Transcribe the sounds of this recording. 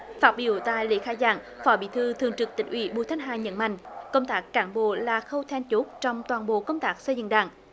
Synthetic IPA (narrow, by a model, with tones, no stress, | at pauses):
faː˦˥t̚ɓi˧˦əwt̪a̰ː˧˨jlḭ˧˥xaː˧jzaː˧˩ŋ | fɔ˨˦ɓḭ˧˨t̪ʰɨ˧t̪ʰɨ˨əŋt͡ɕɨ˨˩k̚t̪ï˧˩ŋ̟ʔwi˧˩˦ɓṵ˧˨t̪ʰa˨˦jŋ̟ɦaː˨˩ɲə̰˧˥nma̰˧˨jŋ̟kə˧wŋ͡mt̪aː˦˥kːaː˧˩nɓo̰˧˨laː˨˩xə˧wt̪ʰɛ˧nt͡ɕu˦˥k̚t͡ɕɔ˧wŋ͡mt̪waː˨˩nɓo̰˧˨kə˧wŋ͡mt̪aː˦˥k̚sə˧jzɨ̰˧˨ŋɗa̰ː˧˩ŋ